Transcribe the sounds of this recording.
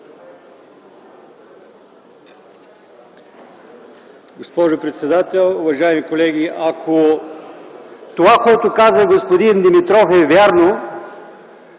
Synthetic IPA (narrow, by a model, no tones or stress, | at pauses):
ɡospɔʒʊpɾɛt̪sɛd̪at̪ɛlˠʊvɐʒajmikolɛɡ̟iakʰo | t̪ovakoɛt̪ʊkazəɡospod̪ind̪imit̪ɾɔfɛvʲaɾno